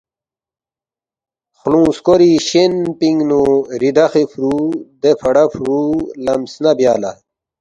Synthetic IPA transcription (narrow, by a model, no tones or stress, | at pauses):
xlũːskoɾiɕenpiŋɡnuɾid̪ɐxifɾud̪efɐɽɐfɾulɐmsnɐbjaːla̰